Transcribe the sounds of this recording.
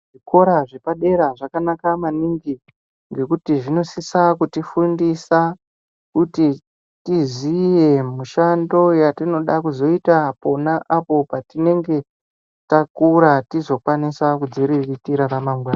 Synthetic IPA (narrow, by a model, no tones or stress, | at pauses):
ʐiko̞ɾaʐe̞paɗe̞ɾaʐakanakamaniŋɡi | ŋɡe̞kutiʐino̞sisakutifundisa | kuti | tizije̞muʃando̞jatino̞ɗakuzo̞itapo̞naʔapo̞patine̞ŋɡe̞ | takuɾatizo̞kwanisakud͡ziɾiritiɾaramaŋɡwaːna